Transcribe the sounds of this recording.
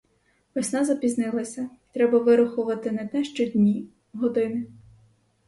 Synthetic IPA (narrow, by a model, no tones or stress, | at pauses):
ʋɪsʲnɑzɐpʲiznɪlˠɐsʲɐit̪ɾɛbɐʋɪɾʊxʊʋɐt̪ɪnɛt̪ɛʃt͡ʃɔd̪ʲnʲi | ɦɔd̪ɪmʲi